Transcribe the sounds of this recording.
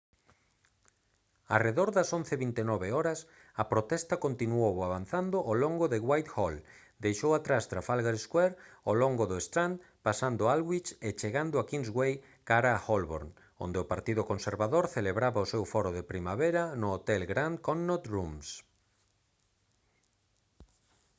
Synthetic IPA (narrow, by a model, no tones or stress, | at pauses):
a̰reðoɾðɐson̟θeβint̪enɔβeɔɾɐs | ɐpɾot̪ɛst̪ɐkont̪inuowaβanθand̪oʔoloŋɡoðɪɣwajt̪xɔl | d̪ejʃowat̪ɾast̪ɾafalɣaɾeskwɛɾoloŋɡʊðʊest̪ɾand̪ | pasand̪ʊalɣwit͡ʃet͡ʃeɣand̪ʊakinzɣwej | kaɾaːxolβo̰ɾn | o̰nd̪eʊpaɾt̪iðʊkõnseɾβaðoɾθeleβɾaβaosewfɔɾʊðepɾimaβeɾɐnʊːt̪ɛlɡɾankonːot̪ɾums